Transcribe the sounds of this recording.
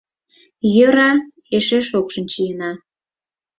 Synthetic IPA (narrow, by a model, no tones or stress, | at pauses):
jøɾɑ | eʃeʃokʃənt͡ɕijənɑ